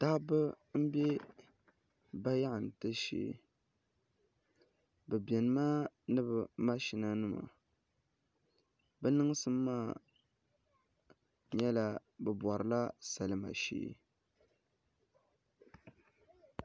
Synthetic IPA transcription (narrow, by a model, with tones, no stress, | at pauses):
ta˦bɨ˦ | m̩˦bɛ˦ | ba˦ja˦ʔɨ˨n˨tɨ˦ʃḛː˦ | bɛ˨bɛ˨nɨ˦maː˦nɨ˦bɨ˨ma˦ʃi˨na˦nɨ˦ma̰˨ | bɛ˦nɨ˦ŋ˦sɨ˦mː˦aː˦˨ | ɲɛ˦la˦bɛ˨bwɔ˨ɾɨ˨la˦sa˨lɨ˨ma̰˨ʃḛː˦